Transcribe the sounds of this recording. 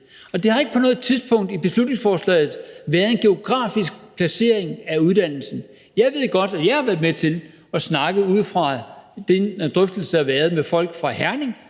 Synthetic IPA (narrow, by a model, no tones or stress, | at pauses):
ɒ̽d̥e̝hɑ̈e̝ɡ̥ə̥pʰɒ̽nɔ̽ːð̩ˠt͡sʰiðˠsb̥ʰɔ̽ŋ̰d̥ib̥e̝slud̥ne̝ŋsfɒːslɛ̰ːɪð̩ˠʋæɐð̞ˠe̝nɡ̥e̝o̝ɡ̥ʁɑ̰̈ːfisɡ̥̚pʰlæse̝ɐ̰e̝ŋæuð̞ˠd̥æn̰l̩sn̩ | jɑ̈ɪʋe̝ð̞̰ˠɡ̥ɒ̽d̥æjɑ̈ɪhɑʋæɐðˠmet͡sʰe̝l | ɒ̽snɑ̈ɡ̥əð̩ˠuð̰ˠfʁɑ̈d̥end̥ʁœfd̥l̩səɑʋæːɐð̞ˠmefɒ̽l̰ɡ̥fʁɑ̈hæɐne̝ŋ